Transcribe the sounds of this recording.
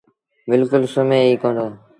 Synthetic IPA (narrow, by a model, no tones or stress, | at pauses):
bɪlkʊlsomeːiːkõːnd̪oː